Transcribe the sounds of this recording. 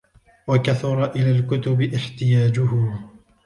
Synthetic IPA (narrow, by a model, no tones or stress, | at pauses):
wakaθʊɾˤɑʔɪlaːlkʊt̪ʊbɪʔɪħt̪ɪjaːd͡ʒʊhʊ